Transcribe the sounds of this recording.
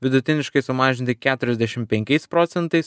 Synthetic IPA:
ʋʲɪd̪ʊt̪ʲɪnʲɪʃkɐɪsʊmɑːʒʲɪnʲt̪ʲɪkʲæːt̪ʊɾʲɛzʲd̪ʲɛʃʲɪmpʲɛŋʲkʲɛɪspɾoːt̪sʲɛnt̪ɐɪs

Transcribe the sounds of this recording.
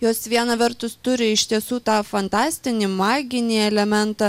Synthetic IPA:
joːsʋʲiɛnɐʋʲɐɾt̪ʊst̪ʊɾʲɪɪʃʲt̪ʲiɛsuːt̪ɑːfɐnt̪ɑːsʲt̪ʲɪnʲɪmɑːɡʲɪnʲiːɛlʲɛmʲɛnt̪ɑ

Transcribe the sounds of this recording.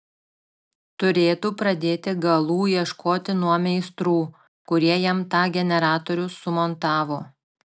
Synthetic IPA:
t̪ʊɾʲeːt̪uːpɾɐd̪ʲeːt̪ʲɪɡɐlˠuːjiɛʃkʰoːt̪ʲɪnuɔmʲɛɪst̪ɾuː | kʊɾʲiɛjɛmt̪ɑːɡʲɛnʲɛɾɑːt̪ɔːɾʲʊsʊmɔnt̪ɑːʋoː

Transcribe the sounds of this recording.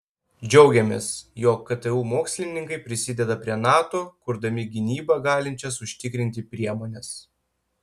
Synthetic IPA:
d͡ʒʲɛʊɡʲɛmʲeːsjoːkːɐt̪ɛuːmoːksʲlʲɪnʲɪŋkɐɪpʲɾʲɪsʲɪd̪ʲɛd̪ɐpʲɾʲiɛnɑːt̪oːkʊɾd̪ɐmʲɪɡʲɪnʲiːbɐɡɑːlʲɪnʲt͡ʃʲɛsʊʃʲt̪ʲɪkɾʲɪnʲt̪ʲɪpʲɾʲiɛmoːnʲɛs

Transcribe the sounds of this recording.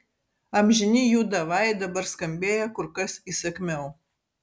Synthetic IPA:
ɐmʲʒʲɪnʲiːjuːd̪ɐʋɑˑɪd̪ɐbɐɾskɐmʲbʲeːjɛkʊɾkɐsiːsɐkʲmʲɛʊ

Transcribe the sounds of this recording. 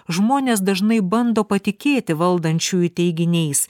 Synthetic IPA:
ʒmoːnʲeːs̬d̪ɐʒnɐɪbɐnd̪oːpɐt̪ʲɪkʲeːt̪ʲɪʋɐlˠd̪ɐnʲt͡ʃʲuɪt̪ʲɛɪɡʲɪnʲɛɪs

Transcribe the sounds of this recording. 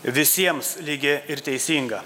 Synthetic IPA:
ʋʲɪsʲiɛmslʲiɡʲɪɪɾt̪ʲɛɪsʲiːŋɡɐ

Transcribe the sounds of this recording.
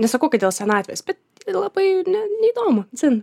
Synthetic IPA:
nʲɛsɐkɐʊkɐtdʲeːlˠsʲɛnɑːt̪ʲɛ̰jsbʲɛt̪ | lˠɐbɐɪnʲɛnʲɛid̪oːmʊzʲɪn

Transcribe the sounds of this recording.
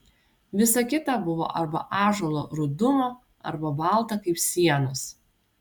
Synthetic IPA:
ʋʲɪsɐkʲɪt̪ɐbʊʋo̰ːʔɐɾbɐ̰ʔɑːʒoːlˠo̰ːɾʊd̪ʊmoː | ɐ̰ɾbɐbɑˑlˠt̪ɐkɐɪpsʲiɛnʊs

